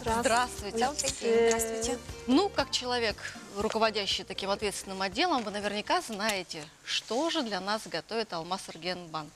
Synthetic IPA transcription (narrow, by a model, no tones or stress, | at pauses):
zd̪ɾast̪vʊjt̪ʲɾast̪ʲnukakt͡ɕɪlˠɐvʲe̞krʊkəvɐdʲæɕːɪjt̪ɐkʲimɐt̪vʲet̪st̪ʲɪnɨmɐdʲːe̞lˠəmvɨnəvʲɪrnʲɪkaznajɪtʲɪ | ʂt̪o̞ʐɨd̪lʲɐnasɡɐt̪o̞vʲɪt̪ɐlˠmasɨrɡʲenban